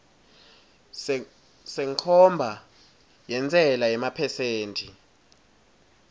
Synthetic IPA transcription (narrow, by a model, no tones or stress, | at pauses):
sɛŋkʰɔmbʱa | jɛnt͡sʼɛlajɛmapʰɛseːntʰʼi